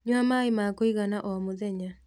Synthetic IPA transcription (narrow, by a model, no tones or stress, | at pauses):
ɲwamaimakoiɣanaʔɔmoðɛɲa